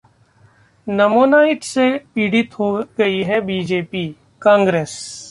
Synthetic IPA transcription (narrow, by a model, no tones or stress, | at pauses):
nɐmoːnaːɪʈsepiːɖɪt̪ɦoɡɐiɦɛbiːd͡ʒeːpiː | kãːŋɡɾeːs